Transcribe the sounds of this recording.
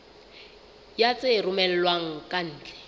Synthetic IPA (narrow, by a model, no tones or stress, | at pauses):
jat͡sʼerʊmɛl̩lwaŋ̩kʼan̩ːt͡ɬʼɛ̥